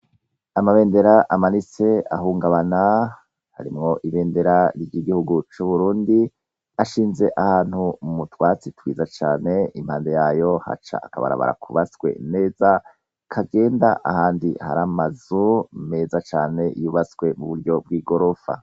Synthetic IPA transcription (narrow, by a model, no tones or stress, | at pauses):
amaβe̞ːnde̞ɾaʔamanise̞a̰ɦuːŋɡaβana | ha̰ɾimŋo̞ʔiβe̞ːnde̞ɾaɾɟiɡihuɡut͡ʃuβuɾuːndi | aʃiːnze̞ʔahaːn̥humutwaːt͡sitwiːzat͡ʃaːne̞im̥haːnde̞jaːjo̞ha̰t͡ʃa̰ːkaβa̰ɾa̰βa̰ɾa̰kʰuβasɡwe̞̰ne̞ːza | kʰaɡe̞ːndaʔahaːndiha̰ɾamazume̞zat͡ʃaːne̞juːβasɡwe̞muβuɾɟo̞b̚ɡiːɡo̞ɾofa̰